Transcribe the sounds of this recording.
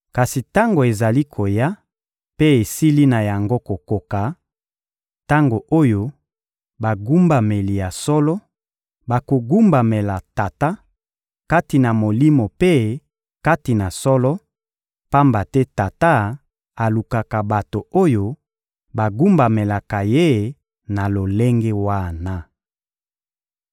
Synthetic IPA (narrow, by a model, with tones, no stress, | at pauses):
ka˨si˨ta˦ŋɡo˨e˨za˨li˦kʰo˨ja˦ | pe˦e˨si˦li˦na˨ja˨ŋɡo˦ko˨ko˨ka˨ | ta˦ŋɡo˨ʔo˦jo˦ | ba˨ɡu˦mba˨me˨li˨ja˨sɔ˦lɔ˦ | ba˨ko˨ɡu˦mba˨me˨la˨ta˨ta˦ | ka˦ti˨na˨mo˨li˦mo˨pe˦ | ka˦ti˨na˨sɔ˦lɔ˦ | pa˦mba˨tɛ˦ta˨ta˦ | a˨lu˨ka˨ka˨ba˨to˨o˦jo˦ | ba˨ɡu˦mba˨me˨la˨ka˨je˦ | na˨lo˨le˦ŋɡe˦wa˦˨na˦